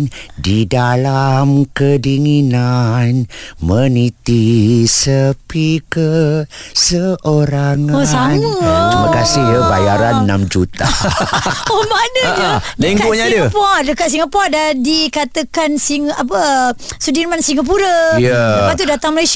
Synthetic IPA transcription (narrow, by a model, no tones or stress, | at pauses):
ndidalamkədiŋinanmənit̪isəpikə | səʔoɾaŋaanəəməkasɪhjəbajaɾanːamd͡ʒut̪a | omanəd͡ʒadeŋɡaoʔɲadəapaʔdəkat̪ʔs̬iŋapaʔdadikat̪əkansiŋapəsudinmansiŋap̬uɾəədəpat̪udat̪aŋməlas